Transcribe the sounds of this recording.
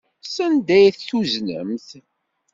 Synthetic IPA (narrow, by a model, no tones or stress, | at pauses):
sænd̪æjθːuznə̰mθ